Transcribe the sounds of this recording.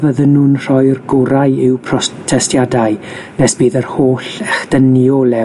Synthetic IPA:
vəðənːuːnr̥ɔɨrɡʊɾaɨɪwpʰrɔtʰɛstjadaɨnɛsb̥iːðərhoːɬɛχd̥ənjɔlɛ

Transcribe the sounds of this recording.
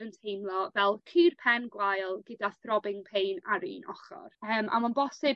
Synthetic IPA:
əntʰejmlˠɔvɛlˠkʰɨrpʰɛnɡwajlˠɡədaθrɔbɪŋpʰejnaɾḭːnɔχɔ̰rəːmʔa̰manbɔsɪ

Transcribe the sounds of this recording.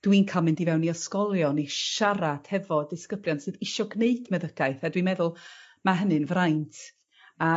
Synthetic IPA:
d̥winkʰalˠmɪndivɛwnːiɔskɔlˠjɔniʃaɾad̥hɛvɔdɨskəbljɔnsɨðɪʃɔɡneɨdmɛðəɡ̥ajθadwimɛðʊlˠmaɦənɨnvrajntʰ | a

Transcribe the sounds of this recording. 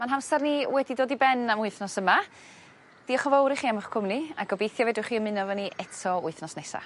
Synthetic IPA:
manɦamsɛrniwɛdidoːdibɛnamʊɨθnɔsəma | d̥iɔχɔvowɾiχiːamɔχkʰʊmniaɡɔbejθjɔvedɪχiːəmɪnɔvɔniʔɛtʰɔʊɨθnɔsnɛsa̰

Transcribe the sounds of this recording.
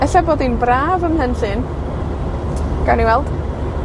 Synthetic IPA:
əɬaboːdinbraːvəmhɛnɬɨn | ɡ̥aniwɛlˠd̥

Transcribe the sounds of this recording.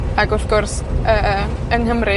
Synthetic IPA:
aɡʊθɡʊrsəːənhəmɾɪ

